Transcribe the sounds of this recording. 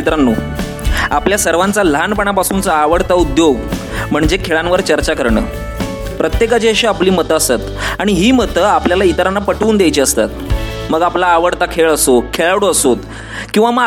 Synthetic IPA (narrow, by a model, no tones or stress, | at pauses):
it̪ɾanːuː | apljasəɾʋant͡salanpəɳ̃apasuːnt͡saːʋəɽt̪aud̪joʋ | m̤əɳd͡ʑekʰeɭanʋəɾt͡ɕəɾt͡ɕakəɾɳə̰ː | pɾət̪jekat͡ɕiəɕiapliːmət̪əəsat̪aɽ̃iɦiːmət̪əːapljalait̪ɾanːapəʈuːnd̪jajt͡ɕiəst̪a̰t̪̚məɡaplaːʋəɽt̪akʰeɭəsokʰeɭaɽoəsot̪ | kĩʋamə